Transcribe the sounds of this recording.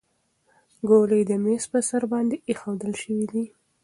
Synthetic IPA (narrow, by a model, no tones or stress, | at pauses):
ɡolejd̪əmespəsaɾbɑnd̪eexawd̪əlʃəwid̪i